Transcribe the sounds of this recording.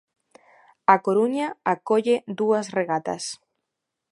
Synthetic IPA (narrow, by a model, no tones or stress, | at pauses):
akoɾuɲaakoʎed̪uasreɣat̪a̰s